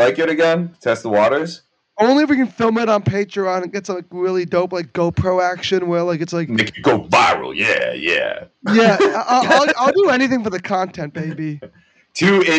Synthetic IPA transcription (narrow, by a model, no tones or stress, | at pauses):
aɪkɨɾɨɡɛ̃ntʰɛst̪̚ðəwɔɾə˞z̥ | õʊ̃nliɨfwikɨ̃nfɪlˠmɪɾn̩pʰeɪtɹ̥iɑ̃n̚ɡ̥ɛtslaɪk̚ɹɪlˠidõʊ̃plaɪk̚ɡ̥oʊpʰɹ̥oʊækʃɨ̃nwəlaɪkɨtslaɪkmeɪkɨɡoʊvaɪɹl̩ˠjæ̰jæ̰jæʔaɪaɪlˠaɪlˠdɨɛñiθɪ̃ŋfə˞ðɨkʰɑ̃ntʰɛ̃nb̥eɪbi | tʰʉɪ